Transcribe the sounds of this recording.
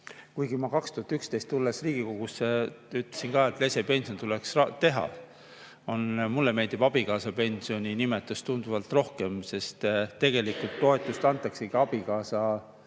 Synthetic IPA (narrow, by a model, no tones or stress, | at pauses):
kujɡimɑkɑkst̪uhɑt̪ykst̪e̞jst̪ːulːesriːɡ̥iko̞ɡ̥usːeyt̪lesinkɑːe̞t̪ˑle̞se̞pe̞nʲsio̞nt̪ule̞ksrɑt̪e̞ɦɑ̰ | o̞nmulːeme̞lʲd̪ib̥ɑb̥ikɑːsɑpe̞nʲsio̞nʲinimet̪ːˑust̪und̪̥uvɑlt̪ˑro̞hke̞mse̞st̪t̪ːe̞ɡ̥e̞likult̪ːo̞e̞t̪ːˑust̪ɑnt̪ːˑɑkseɡiɑb̥ikɑːsɑ